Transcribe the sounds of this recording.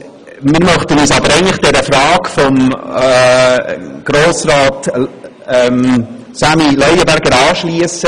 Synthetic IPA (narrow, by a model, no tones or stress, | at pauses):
mɪːɾmœχtənyːsɑbəɾɛɪŋntlɪχd̥ɛɾəfrɑːkfɔm | ɡ̥ɾoːsrɑːt | ɛm | samilœʏəbæɾɡəɾɑːʃliəsə